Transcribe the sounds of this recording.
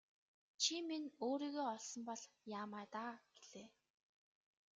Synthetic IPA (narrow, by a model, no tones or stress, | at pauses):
t͡ɕʰiminoːɾiːɣeːɔɮsɞ̆mpɔɮjaːmaːt̪aːɡ̥e̥ɮeː